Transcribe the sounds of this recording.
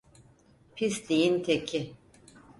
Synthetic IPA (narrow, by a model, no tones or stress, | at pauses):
pʰisd̪ijint̪ʰecʰi